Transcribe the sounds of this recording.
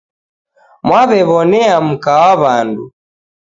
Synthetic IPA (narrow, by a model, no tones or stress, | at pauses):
mwaβɛβɔnɛam̩kawaβandu